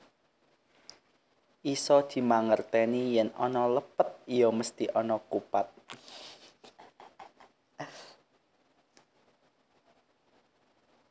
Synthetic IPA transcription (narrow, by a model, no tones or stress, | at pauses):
ʔisɔd̪̥i̤maŋərt̪ɛnijɛnɔ̰nɔləpət̪̚ijoməst̪iʔɔnɔkupat̪̚